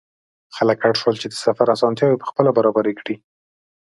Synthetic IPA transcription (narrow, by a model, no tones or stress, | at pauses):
xaləkaʈʃwəlt͡ʃed̪əsafaɾasɑnt̪jɑwepə̥xpəlabaɾɑbaɾekɽi